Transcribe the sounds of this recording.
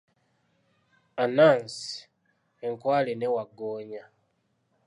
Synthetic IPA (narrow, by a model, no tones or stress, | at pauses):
anaːnsi̥ | eŋkwaːlenewaɡoːɲa